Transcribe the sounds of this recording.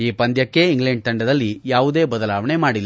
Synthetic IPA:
iːpɐnd̪jɐkːe̞iŋɡleɳɖ̚t̪ɐɳɖɐd̪ɐlːijaːʋud̪e̞ːbɐd̪ɐlaːʋɐɳe̞maːɽilː

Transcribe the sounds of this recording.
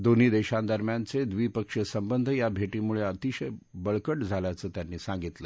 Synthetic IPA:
d̪on̤iːd̪eɕãnd̪əɾmjant͡sed̪ʋiːpəkʂəsəmbənd̪ʱəjabʱeʈiːmuɭeət̪iɕəjbəɭkəʈd͡zʱaljat͡səːt̪janːiːsãŋɡit̪lə

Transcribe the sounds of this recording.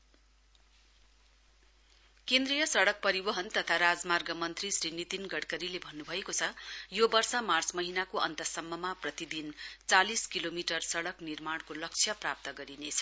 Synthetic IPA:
kend̪rijʌsʌɽʌk̚pʌɾibʌɦʌnt̪ʌt̪ʰaɾad͡zmarɡʌmʌnt̪risrinit̪inɡʌɽkʌɾilebʱʌnːubʱʌekot͡sʰʌjobʌrsʌmart͡smʌɦinakoʌ̰nt̪ʌsʌmːʌmaprʌt̪id̪int͡saliskilomiʈʌrsʌɽʌknirmaɽ̃kolʌk̚t͡sʰjʌprap̚t̪ʌɡʌɾinet͡sʰʌ̥

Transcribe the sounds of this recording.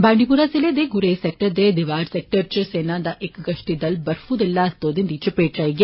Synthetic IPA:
baːɳɖipuɾasiled̪eɡuɾeːsek̚ʈɐd̪ed̪iʋaːɾsek̚ʈɐɾt͡ʃseːnaːd̪ɐʔekɡɐʂʈid̪ɐlbɐɾfud̪ilːaɐst̪oːd̪ind̪it͡ʃupeːʈɾɐjɡe

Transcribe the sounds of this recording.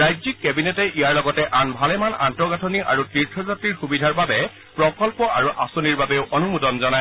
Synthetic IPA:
ɹajzikːɛbinɛtɛʔijaɹlɔɡɔtɛʔanbʱalɛmana̰ntɔɡatʰɔniʔaɹutiɹtʰɔzatɹiɹxubidʱaɹbabɛ | pɹɔkɔlpɔaɹuʔasɔniɹbabeʊʔɔnumudɔnzɔna

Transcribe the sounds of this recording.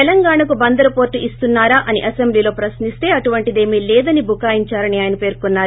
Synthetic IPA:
ɛlɐŋɡaːɳɐkubɐnd̪ɐɾɐpoːɾʈːuʔist̪unːaːɾaːʔɐniʔɐsembliːlo̞ːpɾɐsnist̪e̞ːɐʈuʋɐɳʈid̪e̞ːmiːlɛːd̪ɐnibʱukaːjiɲt͡ʃaːɾɐniaːjɐnɐpe̞ːɾkunːaːɾ

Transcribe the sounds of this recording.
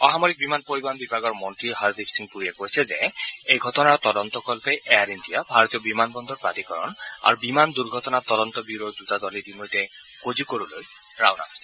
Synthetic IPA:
ɔɦamɔɹik̚bimanpoɹibanbibʱaɡɔɹmɔntɹiɦaɹdipʰsiŋpuɹiɛkojsɛzɛ̰ejɡʱɔtɔnaɹt̪ɔdɔnt̪ɔkɔlpɛjʔɛaɹindijabʱaɹɔt̪ijɔbimanbɔnd̪ɔɹpɹatikɔɹɔ̰na̰ɹubimand̪uɹɡʱɔtɔnat̪ɔdɔnt̪ɔbiɹoj̚dutadɔlidimojtɛ | kozikoɹuloj | ɹa̰wna̰ɦojsɛ

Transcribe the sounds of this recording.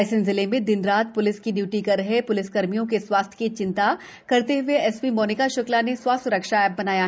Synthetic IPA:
sɪ̃nzɪlemẽd̪ɪnɾaːt̪̚pʊlɪskiɖjuːʈikɐɾɦepʊlɪskɐɾmijõkeswaːst̪ʰkit͡ʃɪ̃nt̪a | kɐɾt̪eɦʊeɛspimɔːnɪkaʃʊklaneswasʊɾɐkʃaɛːbɐnaːjaɦ

